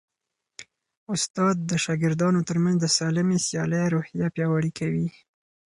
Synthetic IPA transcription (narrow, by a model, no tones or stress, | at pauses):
ʊst̪ɑd̪̚ːəʃɑɡɪɾd̪ɑnot̪əɾmanzd̪əsɑlɪmesjɑləjɾohjapjɑwaɽikʰawi